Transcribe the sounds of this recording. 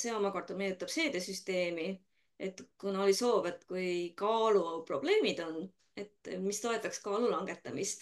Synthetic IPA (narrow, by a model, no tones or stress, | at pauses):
se̞o̞mɑko̞rt̪omej̪ut̪ːˑɑb̥se̞ːd̪̥esyst̪e̞ːmi | e̞t̪ːkunoliso̞ːbe̞t̪ːkujkɑːlupro̞b̥le̞ːmid̪̥o̞n | e̞t̪ːmist̪o̞e̞t̪ˑːɑkskɑːlulɑŋɡ̥e̞t̪ːˑɑmist̪